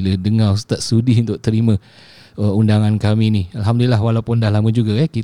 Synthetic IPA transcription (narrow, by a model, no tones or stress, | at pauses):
lədəŋarust̪at̪̚sudiunt̪ʊk̚t̪əɾimã | əundaŋankaminialɦamdulilːaɦwalawpʊndaɦlaməd͡ʒuɡaɛki